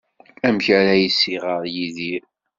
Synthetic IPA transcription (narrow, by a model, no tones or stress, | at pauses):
æmçæɾæjisːiʁəɾˤjiðiɾ